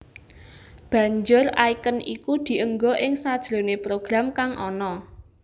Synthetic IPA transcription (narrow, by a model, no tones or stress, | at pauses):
b̥ä̤ɲd͡ʒʊraikənikud̪̥i̤ʔəŋɡoʔɪŋsad̥ʒ̥ɾo̤nepɾoɡ̥ɾamkaŋʔɔ̰nɔ